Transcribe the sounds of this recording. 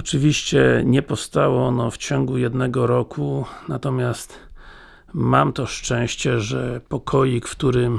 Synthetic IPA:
ɔt͡ʂɘvʲiɕt͡ɕɛ̰ɲɛpɔfst̪awɔɔnɔft͡ɕɔŋɡujɛd̪nɛɡɔɾɔkʰunat̪ɔmʲjast̪ | mamt̪ɔʂt͡ʂɛ̃w̃ɕt͡ɕɛʐɛpɔkʰɔjikft̪uɾɘm

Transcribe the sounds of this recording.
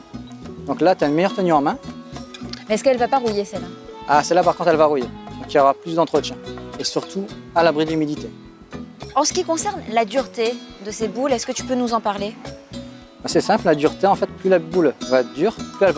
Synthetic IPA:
d̪ɔ̃klat̪yaynmɛjœʁt̪ənyɑ̃mɛ̃ | mɛɛskɛlvapaʁujesɛlaasɛlapaʁkɔ̃t̪χɛlvaʁujed̪ɔ̃kiljɔʁaplysd̪ɑ̃t̪χət̪jɛ̃esyʁt̪ʰu | alabʁid̪lymid̪it̪e | ɑ̃sə̥kʲikɔ̃sɛʁnlad̪yʁt̪ed̪əsebulɛskət̪y̥pønuzɑ̃paʁle | bɛsɛsɛ̃pllad̪yʁt̪eɑ̃fɛt̪plylabulvad̪yːʁplyɛlva

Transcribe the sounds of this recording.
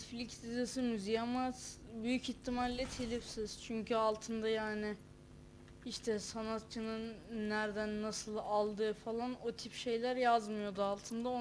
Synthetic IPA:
flʲicsizasɯmyzijamaz | byjycit̪ʰːimalːʲɛt̪ʰelʲifsiz̥t͡ʃʰyɲcʰyalˠt̪ʰɯnd̪ajaːnɪ | iʃt̪ʰɛsanat̪̚t͡ʃʰɯnɯnːæɾd̪ænːasɯlˠalˠd̪ɯːfalˠanot̪ʰipʃe̞jlʲæɾjazmɯjo̞d̪ualˠt̪ʰɯnd̪ao

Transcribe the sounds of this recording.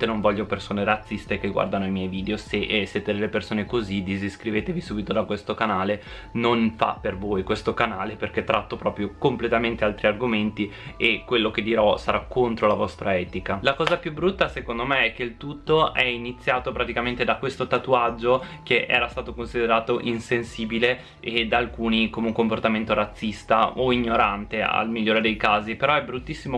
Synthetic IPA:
t̪enoɱvɔʎːopersoːneɾat̪sːist̪ek̟eɡwa̰rd̪anoimjɛjviːd̪eoseʔsːjeːt̪ed̪elːepersoːnekozid̪iziskɾiveːt̪evisuːbit̪od̪akwest̪okanaːle | nonfa̰pervoːjkwest̪okanaːleperk̟et̪ːɾat̪ːopɾɔːpɾjokomplet̪ament̪ealt̪ɾiarɡoment̪i | ekːwelːoked̪ːiɾɔsaɾʔakʰːont̪ɾolavɔst̪ɾʔaɛːt̪ikalakɔːzapjubɾut̪ːasekond̪omeɛk̟ːeilt̪ut̪ːoʔɛinit̪sːjaːt̪opɾat̪ikament̪ed̪akwest̪ot̪at̪uad͡ʒːokeʔɛ̰ːɾast̪aːt̪okonsid̪eɾaːt̪oʔinsensiːbile | ed̪aːlkuːnikomeuŋkomport̪ament̪oɾat̪sːist̪aoiɲːoɾant̪ea̰lmiʎːoːɾed̪ejkaːzipeɾɔɛbɾut̪ːisːimo

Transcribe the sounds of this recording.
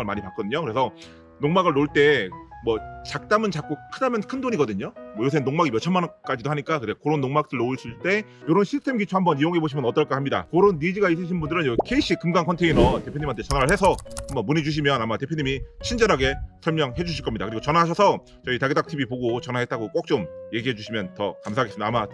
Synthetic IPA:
ɯɭmaɲipak͈ʌdɯɲokɯɾe̞sʰʌ | noŋmaɡɯɭnoɭt͈e̞mwʌt͡ɕak̚t͈amɯnt͡ɕak͈okʰɯnamjʌnkʰɯndoɲiɡʌdɯɲomwʌjos̬ʰenoŋmaɡimjʌt͡ɕʰʌmank͈ad͡ʑidoɦaɲik͈akɯtekoɾonːoŋmak̚t͈ʰɯɭnoɯɕʰiɭt͈e̞ | joɾonɕʰistʰe̞mɡit͡ɕʰoɦambʌnijoŋe̞boɕʰimjʌnʌt͈ʌɭk͈ahamɲida̰koɾonːid͡ʑiɡais̬͈ɯɕ̬ʰinbundɯɾɯnjʌkʰeiɕ͈ʰikɯmɡankʰʌntʰeinʌte̞pʰjoɲimɦantʰet͡ɕʌnaɾɯɭɦe̞sʰʌhambʌnmunid͡ʑuɕ̬ʰimjʌnamate̞pʰjoɲimit͡ɕʰind͡ʑʌɾɦaɡesʰʌɭmjʌŋɦe̞d͡ʑuɕʰiɭk͈ʌmɲida̰kɯɾiɡot͡ɕʌnaɦaɕ̬ʰʌsʰʌ | t͡ɕʌitaɡedak̚tʰibipoɡot͡ɕʌnaɦet̚t͈aɡok͈ok̚t͡ɕ͈omje̞ɡiɦe̞d͡ʑuɕʰimjʌntʌ̰kamsʰaɡesimidaːma

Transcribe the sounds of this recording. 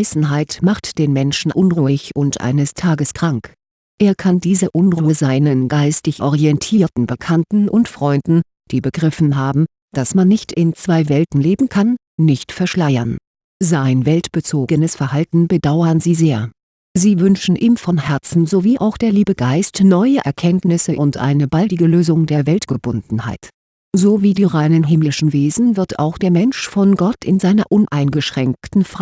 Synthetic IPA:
ɪsn̩ɦaɪtmaχtd̥eːnmɛnʃn̩ʔʊnʁuɪçʔʊntʔa̰ɪnəstʰaːɡəskʁ̥aŋk | ʔeːɐkʰandiːzəʔʊnʁuːəzaɪnənɡaɪstɪçʔɔ̰ʁiɛntʰiːɐtn̩bəkʰantn̩ʔʊntfʁ̥ɔʏndn̩ | d̥iːbəɡ̥ʁɪfn̩ɦaːbm̩ | d̥asmanːɪçtɪnt͡sv̥aɪvɛltn̩leːbm̩kʰanː | ɪçtfɛɐʃlaɪɐn | zaɪnvɛltb̥ət͡soːɡənəsfɛɐhaltn̩bədaʊɐnziːzeːɐ | ziːvʏnʃn̩ʔiːmfɔnhɛɐt͡sn̩zoviːʔaʊxd̥eːɐliːbəɡaɪstnɔʏəʔɛ̰ɐkʰɛntnɪsəʔʊntʔa̰ɪnəbaldɪɡəløːzʊŋdeːɐvɛltɡ̥əbʊndn̩ha̰ɪt | zoːviːdiːʁaɪnənɦɪmlɪʃn̩veːzn̩vɪɐta̰ʊxd̥eːɐmɛnʃfɔnɡɔtɪnzaɪnɐʔʊnʔaɪnɡəʃʁ̥ɛŋk̚tn̩fa

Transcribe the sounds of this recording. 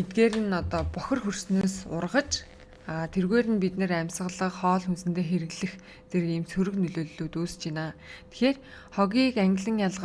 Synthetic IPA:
et̪̚ɡeːɾɘ̆nɔt̪ɔːpɔxʲɞ̆rxursnoːsʊ̰rʁə̆t͡ɕ | at̪ʰerɣeːɾɘ̆npit̪nɘ̆ræmʲsə̆ɮə̆qχɔːɮxunsɘ̆nt̪ʰeːxeɾɘ̆ɣɮɘ̆x | t͡serimsʰuɾɵ̆knɵɮoːɮːuːt̪uːst͡ɕʰɪnaːt̪ʰe̥xeːr | χɔɣʲiːkæŋɡʲɪ̆ɮə̆ŋjaɮʁ̆

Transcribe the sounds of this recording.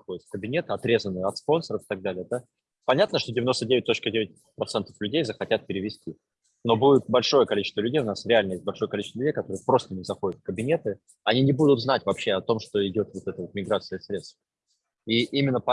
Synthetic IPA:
xodʲɪt̪fkəbʲɪnʲe̞t̪ɨɐt̪ɾʲe̞zənːɨjəɐt̪spo̞nsəɾəfɪ̥t̪ɐɡ̚d̪alʲɪjəd̪a | pɐnʲat̪nəʂt̪o̞dʲɪvʲɪno̞st̪ədʲevɪt̚ʲt̪o̞t͡ɕkədʲevʲɪt̚ʲ | pɾɐt̪sɛnt̪ə̥flʲʉdʲejzəxɐtʲat̪̚pʲɪɾʲɪvʲɪsʲtʲi | no̞budʲɪt̪̚bɐlʲʂo̞jəkɐlʲit͡ɕɪ̥st̪vəlʲʉdʲejʊnasɾʲɪalʲnəjesʲt̚ʲbɐlʲʂo̞jəkɐlʲit͡ɕɪst̪vəlʲʉdʲejkɐt̪o̞ɾɨɪpɾo̞st̪ənʲɪzɐxo̞dʲɪt̪fkəbʲɪnʲe̞t̪ɨ | ɐnʲinʲɪbud̪ʊt̪znatʲvɐpɕːe̞ɐt̪o̞mʂt̪o̞ɪdʲo̞t̪vo̞t̪ɛt̪əvo̞t̪mʲɪɡɾat̪sɨjəsɾʲe̞t̪st̪f | iʔimʲɪnːəpɐ

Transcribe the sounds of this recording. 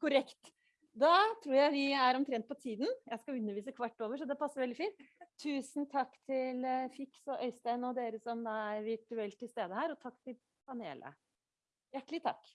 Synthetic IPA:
kʊɾɛkt̪ | d̪ɑt̪ʰɾuːɾjæɪʋɪæɾɔmt̪ʰɾɛnt̪̚pʰɔt̪ʰiːd̪n̩jæɪskɑʉnːəɾʋiːsəkʰʋɑʈːoːʋəʂ̬ɔd̪ɛpʰɑsːəɾʋɛld̪ɪfiːnt̪ʰːʉːsnt̪ʰɑkːt̪ʰɪlfɪksɔʔœʏst̪æɪnɔd̪eːɾəsɔmɑææɾʋɪʈʉɛlt̪ʰːɪlst̪eːd̪əhæːɾɔt̪ʰɑkːt̪ʰɪl | pʰɑnḛːlʔə̰ | jæʈːɭɪt̪ʰɑ̰kː

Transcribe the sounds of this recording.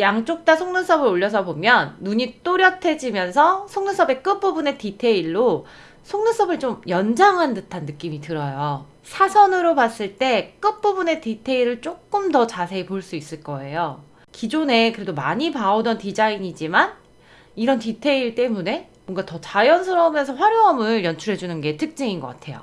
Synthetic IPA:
jaŋt͡ɕ͈ok̚t͈asʰoŋnɯs͈ʰʌbɯɾoʎːʌs̬ʰʌbomjʌnːuɲik̚t͈oɾjʌtʰe̞d͡ʑimjʌnsʰʌsʰoŋnɯsʰʌbe̞k͈ɯp͈ubune̞titʰe̞iɭːo | sʰoŋnɯs͈ʰʌbɯɭt͡ɕomjʌnd͡ʑaŋɦandɯtʰanːɯk͈imitɯɾʌjo | sʰasʰʌnɯɾopas͈ɯɭt͈e̞k͈ɯp͈ubune̞titʰe̞iɾɯɭt͡ɕ͈ok͈̚ɯmtʌt͡ɕasʰe̞ːpoɭs͈uis͈ɯɭk͈ʌe̞jo | kid͡ʑone̞kɯɾe̞domaɲipaodʌntid͡ʑaiɲid͡ʑiman | iɾʌntitʰe̞iɭt͈e̞mune̞ | moŋɡatʌt͡ɕajʌnsʰʌɾʌmjʌnsʰʌɸwaɾjoɦʌmɯɭjʌnt͡ɕʰuɾɦe̞d͡ʑunɯnɡe̞tʰɯk̚t͡ɕ͈ɯŋinɡʌk͈a̰tʰe̞jo̰

